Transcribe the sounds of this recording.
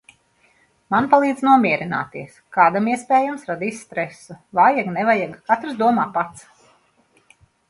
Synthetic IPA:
manpalˠiːd̪znuɔmʲiɛɾina̰ːt̪iɛskaːd̪amiɛspeːjamsɾad̪isst̪ɾɛsuvaːjaɡnɛvajaɡkat̪ɾsd̪uɔmaːpat̪s

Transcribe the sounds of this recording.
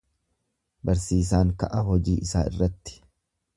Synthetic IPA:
bɐɾsiːs̬aːŋkɐʔɐɦɔd͡ʒiːʔɪsaːɪ̰rːɐt̪ːɪ̥

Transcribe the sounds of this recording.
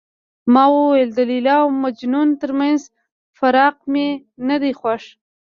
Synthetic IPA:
mɑwuweld̪əlilɑwmad͡ʒnunt̪əɾmanz | faɾɑqmenad̪exwaʂ

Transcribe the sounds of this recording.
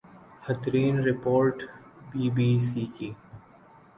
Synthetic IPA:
hət̪ʰɾiːnɾɪpoːɾʈbiːbiːsiːkiː

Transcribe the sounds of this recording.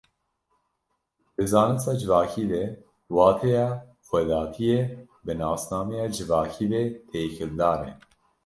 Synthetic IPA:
d̪̥ɨzɑːnɨsɑːd͡ʒɨvɑːkʰiːd̪ɛ | wɑːt̪ʰɛjɑː | xʷɛd̪ɑːt̪ʰije | bɨnɑːsnɑːmɛjɑːd͡ʒɨvɑːkʰiːd̪et̪ʰeːkʰɨld̪ɑːnɛ̰

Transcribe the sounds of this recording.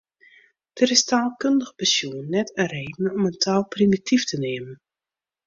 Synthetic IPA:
d̥əɾɪstaːlˠkøndəɣəpəsjuənːɛtəreːdn̩ɔməntʰaːlˠprimitiftəneːmən

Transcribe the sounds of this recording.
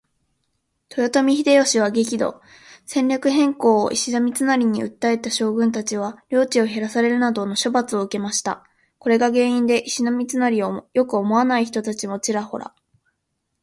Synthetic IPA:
t̪o̞jot̪o̞mʲiçid̪e̞jo̞ɕiβ̞aɡekʲid̪o̞̰ | sẽ̞ɲʲɾʲakɯ̟ɦẽ̞ŋko̞̰ːʔiɕinamʲit͡sɨnaɾʲiɲ̟iɯ̟̰t̪ːae̞t̪aɕo̞ːɡɯ̟̃nt̪at͡ɕiβ̞aɾʲo̞ːt͡ɕio̞ɦe̞ɾasaɾe̞ɾɯ̟nad̪o̞no̞ɕo̞bat͡sɨo̞ɯ̟ke̞maɕi̥t̪a̰ | ko̞ɾe̞ɡaɡẽ̞ːĩnd̪e̞ʔiɕinamʲit͡sɨnaɾʲiojo̞kɯ̟o̞mo̞anaiçi̥t̪o̞t̪at͡ɕimo̞t͡ɕiɾaho̞̰ɾa̰

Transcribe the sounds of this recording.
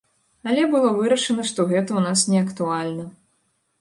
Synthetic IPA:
ɐlʲɛbɨlˠɔvɨɾɐʂɐnɐʂt̪ɔɣɛt̪ɐwnasnʲɛɐkt̪ualʲnɐ

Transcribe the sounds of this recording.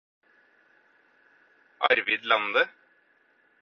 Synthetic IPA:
ʔɑ̰ɾʋɪd̪lɑnd̪ə

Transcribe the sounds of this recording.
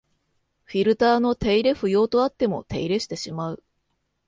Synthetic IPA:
ɸʲiɾɯ̟t̪aːno̞t̪e̞iɾe̞ɸɯ̟jo̞ːt̪oat̪ːe̞mo̞̰t̪e̞iɾe̞ɕi̥t̪e̞ɕimaɯ̟

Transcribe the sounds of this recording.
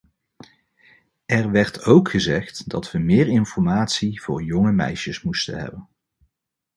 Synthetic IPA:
ɛɹʋɛɹtʰowkχəzɛχtdɑ̰tʋəmɪːɹɪnfɔɹmaːtsiv̥ʊ̰ːɹjɔŋəmɛ̰jʃəsmustə̰nɦɛ̰bən

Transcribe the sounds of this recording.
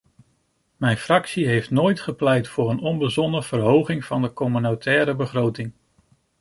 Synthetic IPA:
mɛjnfrɑksiɦejftnoːjtχəplɛjtfʊːɾənɔnbəzɔnəv̥ərɦowχɪŋv̥ɑndəkɔmynotɛːɾəbəχrowtɪŋ

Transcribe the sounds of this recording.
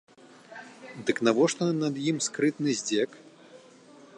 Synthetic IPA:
d̪ɨknavɔʂt̪ɔnɐd̪jimskɾɨt̪nɨzʲd͡zʲɛk

